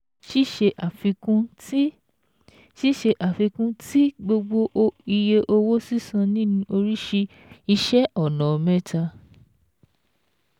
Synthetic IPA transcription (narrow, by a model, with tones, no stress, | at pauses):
ʃi˦ʃe˧ʔa˨fi˧kũ˦ | ʃi˦ʃe˧ʔa˨fi˧kũ˦ti˦ɡ͡bo˧ɡ͡bo˧ʔo˧i˧je˧ʔo˧wo˦si˦˨sã˧nĩ˦nĩ˧o˧ɾi˦ʃi˧ | i˧ʃɛ˦ʔɔ˦˨nã˨mɛ˦ta˧